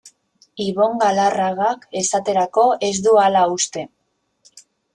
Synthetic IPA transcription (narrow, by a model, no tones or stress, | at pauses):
iβo̞ŋɡalaraɣake̞sat̪e̞ɾako̞ʔe̞zd̪ualaust̪e̞